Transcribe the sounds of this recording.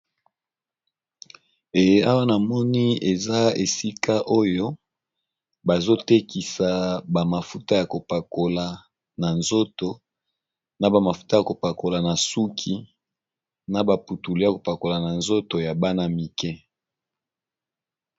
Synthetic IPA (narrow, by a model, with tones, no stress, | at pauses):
e˨je˦a˦wa˦na˨mɔ˦ni˦e˨za˦e˨si˦ka˦ʔo˦jo˦ | ba˨zo˦te˦ki˨sa˨ba˨ma˨fu˦ta˦ja˨ko˨pa˨ko˨la˨ | na˨nzo˦to˨ | na˨ba˨ma˨fu̥˨ta˦ja˨ko˨pa˨ko˨la˨na˨su˦kʰi˦ | na˨ba˨pu˨tu˨lo˦a˨ko˨pa˨ko˨la˨na˨nzo˦to˨ja˨ba˦na˦mi˨kɛ˦